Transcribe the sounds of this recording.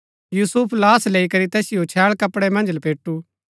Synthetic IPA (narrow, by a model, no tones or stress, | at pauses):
juːsupʰlaːsleːikɐɾit̪ɛːsɪjot͡ʃʰɛːɭkɐpɽɛmɐ̃nd͡ʒlɐpeːʈːuː